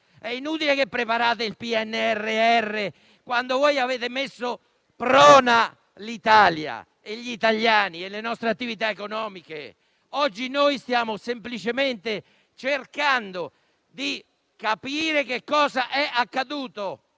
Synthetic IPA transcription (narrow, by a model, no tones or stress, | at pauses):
ɛinuːt̪ilekepːɾepaɾaːt̪eilpiɛnːeɛrːeɛrːe | kwand̪ovɔjaveːt̪ɪmesːo | pɾɔːna | lit̪aːlja̰ | eʎːit̪aʎːaːnielenɔst̪ɾeat̪ːivit̪̬aekonɔːmikḛ | ɔd͡ʒːinoːjst̪jaːmʊsemplit͡ʃement̪e | t͡ʃerkand̪o | d̪i | kapiːɾek̟ekːɔːzaʔɛʔakːad̪uːt̪o